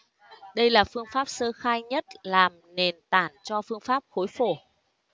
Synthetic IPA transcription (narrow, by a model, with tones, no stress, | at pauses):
ɗə˧jlaː˨˩fɨ˧əŋfaː˦˥p̚səː˧xaː˧jɲə˦˥t̚laː˨˩mne˨˩nt̪aː˧˩nt͡ɕɔ˧fɨ˧əŋfaː˦˥p̚xo˨˦jfo˧˩